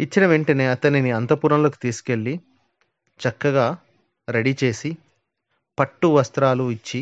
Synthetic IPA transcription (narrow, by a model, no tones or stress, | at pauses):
it͡ʃːinɐʋeɳʈɐne̞ːɐt̪ɐniniɐnt̪ɐpuːɾɐmlo̞ːkit̪iːsu̥ke̞ɭːi | t͡ʃɐkːɐɡaː | ɾeɽit͡ʃe̞ːsi | pɐʈːuʋɐst̪ɾaːluit͡ʃːi